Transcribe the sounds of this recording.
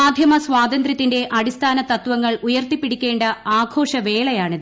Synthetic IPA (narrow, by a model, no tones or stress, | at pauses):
aːd̪ʱjɐmɐsʋaːd̪ɐnd̪ɾjɐt̪ːinde̞ʔɐɽist̪ʰaːnɐt̪ɐt̪ʋɐŋːɐɭujɐrt̪ipːiɽikʲːe̞ːɳɖɐaːɡʰʱo̞ːʂɐʋe̞ːɭɐjaːɳiðɨ